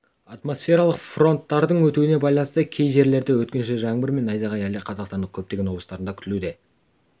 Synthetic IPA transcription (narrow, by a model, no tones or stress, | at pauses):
ɑt̪mo̞sfʲe̞ɾɑlˠəqfro̞nt̪ːɑɾd̪əɴwɵt̪uwɪnebɑjlˠɑnəst̪əkʲʰe̞jʒe̞ɾle̞ɾd̪ɪwɵt̪̚kʲe̞nʃeʒɑɴbɪɾme̞nɑjzɑʁɑjæleqʰɑzɑqst̪ɑnəkʲʰɵp̚t̪e̞ɡʲewolˠst̪ɑɾənd̪ɑkʰʲʏ̥t̪ɪlud̪e̞